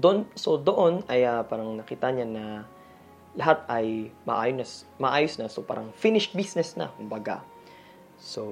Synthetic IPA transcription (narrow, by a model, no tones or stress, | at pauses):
d̪onso̞d̪o̞ʔo̞nɐjapaːɾɐŋnɐkiːt̪ɐɲanɐ | lɐɦat̪̚ɐjmɐ̰ʔaːjonɐs | mɐʔaːjosnɐsopa̰ːɾɐŋfinɪʃbisnɛsnɐ̰kʊmbɐɡa̰ | so